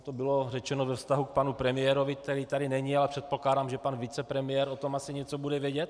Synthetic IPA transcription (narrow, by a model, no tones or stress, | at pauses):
t̪obɪlo̞rɛt͡ʃɛnovɛfst̪aɦuk̚panupɾɛmɪjɛːɾovɪk̚t̪ɛɾiːt̪adɪnɛɲɪalɛpr̝̥ɛt̪̚po̞klaːdaːmʒɛpanvɪt͡sɛpɾɛmɪjɛːɾo̞t̪o̞masɪɲɛt͡so̞budɛvjɛɟɛt̪